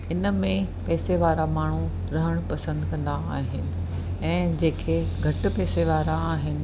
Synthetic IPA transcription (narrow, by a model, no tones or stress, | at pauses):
ɪnəmẽpɛːseʋaːɾamaːɳ̤u | ɾɐɦəɽ̃pɐsə̃nd̪kɐ̃nd̪aːɦɪnɪ̆ | ɛ̃ːd͡ʑeːkʰeɡʱɐʈ̆pɛːseʋaːɾaːɦɪnɪ̆